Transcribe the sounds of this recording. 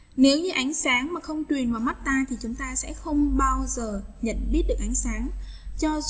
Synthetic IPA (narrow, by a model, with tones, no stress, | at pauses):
ne˨˦wɲɨ˧ʔa˨˦jŋ̟saː˨˦ŋmaː˨˩xə˧wŋ͡mt͡ɕwi˨˩ənvaː˨˩wma˦˥t̚t̪aː˧t̪ʰi˨˩t͡ɕʊ˨˦ŋ͡mt̪aː˧sɛ̰˧˥xə˧wŋ͡mɓaː˧wzəː˨˩ɲə̰˧˨nɓi˦˥ət̚ɨ˨˩əkʔa˨˦jŋsaː˨˦ŋt͡ɕɔ˧